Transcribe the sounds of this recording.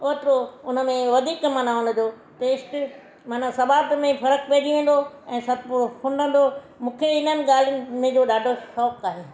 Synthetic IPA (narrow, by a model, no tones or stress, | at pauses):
oːt̪ɾoʊnə̆mẽʋɐd̪ʱiːkmɐnaʊn̆d͡ʑoː | t̪eːsʈɪ | mɐnasɐbaːt̪mẽpʰɐɾəkpeːd͡ʑiʋẽːn̆d̪o | ɛ̃ːsɐt̪pʊɾpʰʊ̃ɳɖə̃nd̪o | mũːkʰeɪnənɪ̆ɠaːlɪjʊnɪ̆mẽd͡ʑoːɗaːɖʱoʃɔːkaːɦeː